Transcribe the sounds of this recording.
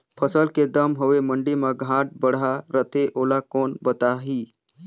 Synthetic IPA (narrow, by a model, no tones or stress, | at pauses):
pʰəsəlked̪əmɦoʋeməɳɖimaɡʱãʈ̚bəɽaɾət̪ʰeʔoːlakoːnbət̪aɦiː